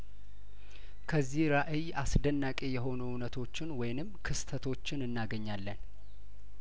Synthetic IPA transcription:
kʰəzːihɾaʔɨjasd̪ənːakʼe̞jɛɦo̞nuʊnət̪ʰo̞t͡ʃːɪnwɔjnɨmːkʰɨst̪ʰət̪ʰo̞t͡ʃːɪnɨnːaɡəɲːalːən

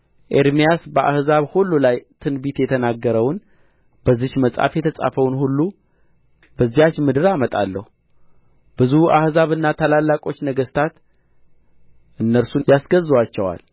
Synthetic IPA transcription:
ʔe̞ɾmijasbəʔahzaβhulːulajt̪ʰɨnbit̪jɛt̪ʰənaɡːəɾəwn | bəzːɪʃməsʼa̰fjɛt̪ʰəsʼa̰fəwnhulːu | bəzːijat͡ʃmɨd̪ɨɾamət̪ʼalːəhu | b̥ɨzuʔahzaβɨnːat̪ʰalalːakʼo̞t͡ʃːnəɡəst̪ʰat̪ | ʔɨnːəɾsujasɡəzːwat͡ʃːɛwa̰l

